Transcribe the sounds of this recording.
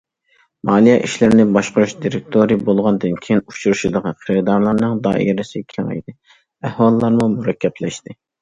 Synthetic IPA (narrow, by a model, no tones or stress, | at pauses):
mɑːlˠijɛʔiʃlɪɾnɪbɑʃqʊɾuʃd̪iɾɪk̚t̪ʰoɾijbolˠʁɑnd̪ɨnkʲʰejinut͡ʃʰuɾuʃid̪əʁɑqʰəɾɨd̪ɑɾlˠɑɾnɨŋd̪ɑ̰ḭjɾɪsɪkʲʰeŋɛ̰jd̪ɪ | æhwɑlˠlːˠɑɾmumuɾɛkʲʰːɛplɛʃt̪ɪ